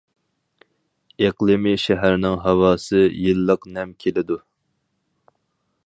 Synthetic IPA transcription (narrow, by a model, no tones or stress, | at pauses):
eqlˠɨmiʃɛɦæɾnɪŋɦɑwɑːsɨjɨlˠːəqnɛmkʲʰelɪd̪u